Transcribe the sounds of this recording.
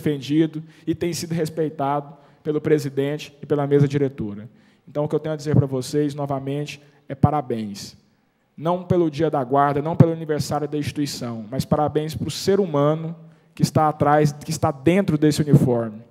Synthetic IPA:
fẽnd͡ʒid̪ʊɪt̪ẽj̃sid̪ʊɦespejt̪ad̪ʊ | pelʊpɾezid̪ẽt͡ʃɪ̥ːpelɐmezmɐd͡ʒiɾet̪oɾɐ | ẽnt̪ɐ̃w̃ʊkɪewt̪ẽj̃ʊɐd͡ʒizeɾpɾɐvosejznɔvɐmẽt͡ʃɪ̥ | ɛpaɾabẽj̃s | nɐ̃w̃pelʊd͡ʒiɐd̪ɐɡwaɾd̪ɐnɐ̃w̃pelʊɐniveɾsaɾjʊd̪ɐĩst͡ʃi̥t̪uisɐ̃w̃mɐspaɾabẽj̃spɾʊseɾumɐ̃nʊ | kɪst̪aːt̪ɾajzkɪst̪ad̪ẽnt̪ɾʊd̪esɪunifɔɾmɪ

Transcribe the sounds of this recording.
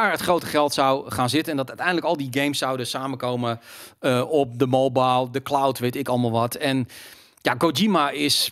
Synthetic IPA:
aːrɦətχrowtəχɛlˠtsɔwχaːnzɪtənɛndɔtœtɛjndələkɔlˠdiɡejmsːawdəsaːməkowməəɔp̚dəmolˠbalˠdəklawtʋetɪkɔlˠmalˠʋɔtɛn | jaɡod͡ʒimaɪs

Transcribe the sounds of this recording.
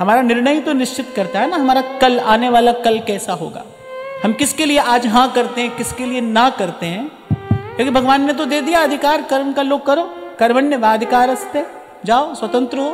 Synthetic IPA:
ɦɐmaːɾanɪɾnəjt̪onɪʃt͡ʃɪt̪kɐɾt̪aɦɛnaɦɐmaːɾakɐlaːneʋaːlakɐlkɛːsaɦo̰ːɡa̰ː | hɐmkɪskelieʔaːd͡ʒɦãkɐɾt̪eɦɛ̃kɪskelienakɐɾt̪eɦɛ̃ː | kjõːkibʱɐɡʋaːnːet̪̬od̪eːd̪ijaɐd̪ʱɪkaːɾkɐɾmkaloːɡ̚kɐɾoːkɐɾməɳneʋaːɐd̪ʱɪkaːɾɐst̪eɛ | d͡ʒaːosʋɐt̪ə̃nt̪ɾəɦoː

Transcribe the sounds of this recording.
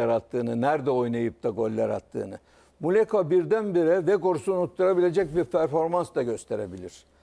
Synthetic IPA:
aɾat̪ʰːɯːnɯnæɾd̪ɛo̞jnajɯp̚t̪aɡo̞lʲːaɾa̰t̪ʰːɯ̰ːnɯ | mulʲekʰabiɾd̪ænbiɾɛvɛɡo̞ɾusunut̪ːuɾabilʲe̞d͡ʒɛc̚biɾpʰæɾfo̞ɾmansd̪aɟø̞st̪ʰe̞ɾebilʲiɾ̥

